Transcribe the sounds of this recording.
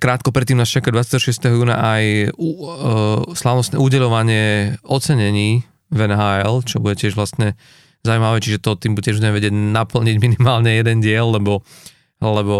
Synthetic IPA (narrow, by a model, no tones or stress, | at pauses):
kɾaːt̪̚kɔpɾɛt̪ːiːmnaːst͡ʃakad̪ʋat͡sjat̪ɛɦɔʃɪɛst̪ɛɦɔjuːna̰ʔaju | slaʋnɔst̪nɛːuːɟɛʎɔʋaɲɪɛɔt̪t͡sɛɲɛɲiː | vɛnɦaːɛlt͡ʃɔbuɟɛcɪɛʒʋlast̪ɲɛ | zaujmaʋɛt͡ʃiʒɛt̪ɔt̪iːmbuɛʒbuɟɛmɛʋɛɟɪɛɟnapl̩ɲiɟminimaːlɲɛjɛd̪ɛnɟɪɛlːɛbɔ | lɛbɔ